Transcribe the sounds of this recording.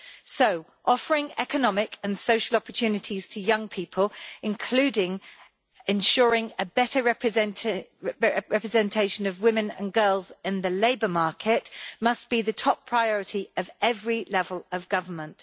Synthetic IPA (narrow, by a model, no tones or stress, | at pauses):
səʊ | ʔɒfəɹɪ̃ŋɛ̰kənɒmɪkʰə̃nsəʊʃəlɒpət͡ʃʰʉːnɪtʰiz̥tʰəjʌ̃ŋpʰiˑpʰəlˠɪ̃nkʰl̥ʉːdɪ̃ŋ | ɪ̃nʃɔːɹɪ̃ŋəbɛtəɹ | ɹɛpɹ̥əzɛ̃ntʰeɪʃə̃nəvwɪ̃mɪ̃nə̰̃nɡɜːlˠzɪ̃nðəleɪbəmɑˑkʰɪʔmʌsb̥iðətʰɒpʰɹ̥aɪɒɹɪtʰiʔəvɛvɹilɛvələvɡʌvəmə̃nt